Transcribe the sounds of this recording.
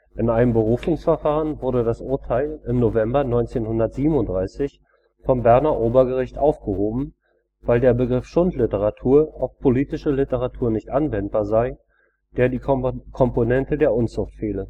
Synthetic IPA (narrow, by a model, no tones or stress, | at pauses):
ʔɪnʔaɪnəmbəʁ̞uːfʊŋsfɛɐfaːʁənvʊɐdədasʔʊɐtʰaɪlɪmnovɛmbɐnɔʏnt͡seːnhʊndɐtz̥iːbm̩ʊntd̥ʁaɪsɪç | fɔmbɛɐnɐʔoːbɐɡəʁ̞ɪçtʔaʊfɡ̥əhoːbm̩ | v̥aɪldeːɐbəɡʁɪfʃʊntlɪtəʁatʰuːɐʔaʊfpʰoliːtɪʃəlɪtəʁ̞atʰuːɐnɪçtʔanvɛnt̚b̥aːɐzaɪ | d̥eːɐdiːkʰɔmponɛntədeːɐʔʊnt͡sʊχtfeːlə